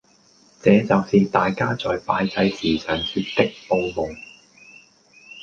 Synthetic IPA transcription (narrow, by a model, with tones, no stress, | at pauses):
t͡sɛː˨˧t͡sɐ˨wsiː˨t̪aː˨jkaː˥t͡sɔː˨jpaː˧jt͡sɐ˧jsiː˨˩sœː˨ŋsyː˧t̚t̪ɪ˥k̚po˧wmʊ˨˩ŋ